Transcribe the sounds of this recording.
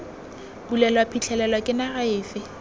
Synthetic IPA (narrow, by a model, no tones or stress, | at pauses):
b̥ulɛlwapʰit͡ɬʰɛlɛlwakʼɪnaɣaɪːfɪ